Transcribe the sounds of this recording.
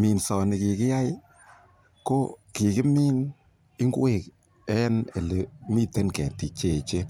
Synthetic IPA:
mi˨nsɔ˨nɪ˨ki˧kɪ˦ja˦j | ko˦ki˨kɪ˦miː˦n | ɪ˦ŋɡu˦we˦˨k | ɛ˦ne˨le˨mi˦te˦nkɛ̰˨ti˨t͡ʃe˨t͡ʃe˦

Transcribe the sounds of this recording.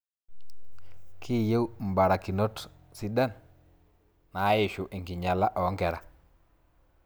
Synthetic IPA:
kʰi˦˨je˦wm̩˨ba˨ɾa˨ki˨no˦t | si˦da˦n | a˨˦jɪ˨ʃʊ˨ʔɪ˨ŋkɪ˨ɲa˨la˦ʔɔ˨˦ŋkɛ˨ɾa˨

